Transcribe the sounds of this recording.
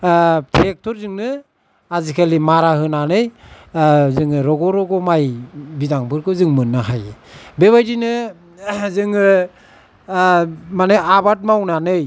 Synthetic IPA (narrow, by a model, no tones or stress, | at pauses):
tʰek̚tʰɔɾzɯŋnɯ | azikʰalimaɾahɯnanɯj | zɯŋɯɾɔɡɔɾɔɡɔmajbidaŋbɯɾkɯzɯŋmɯnːaɦajbeβajdinɯ | zɯŋɯ | maneabat̚mawnanɯj